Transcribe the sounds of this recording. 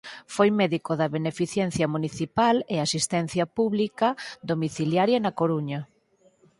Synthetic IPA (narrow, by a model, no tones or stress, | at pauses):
fojmɛðikoðɐβenefiθjɛn̟θjɐmuniθipaleasist̪ɛnθjɐpuβlikɐd̪omiθiljaɾjɐnɐkoɾuɲɐ